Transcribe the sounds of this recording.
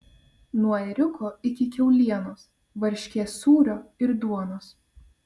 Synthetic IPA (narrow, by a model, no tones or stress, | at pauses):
nuɔɛɾʲʊkʰoːɪkʲɪkʲɛʊlʲiɛnoːs | ʋɐɾʲʃʲkʲeːsuːɾʲoːɪɾd̪uɔnoːs